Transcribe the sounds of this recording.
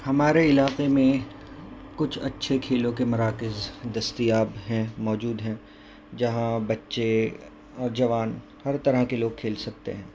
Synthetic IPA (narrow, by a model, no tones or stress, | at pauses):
hɐmaːɾeɪlaːqemẽ | kʊt͡ʃʰɐtːʃʰekʰeːlõkemɐɾaːkɪzd̪ɐst̪ijaːbɦɛ̃mɔːd͡ʒuːd̪ɦɛ̃ː | d͡ʒɐɦãbɐtːʃe | ɔːɾd͡ʒɐʋaːn | hɐɾt̪ɐɾəkeloːɡ̚kʰeːlsɐk̚t̪ḛɦɛ̃ː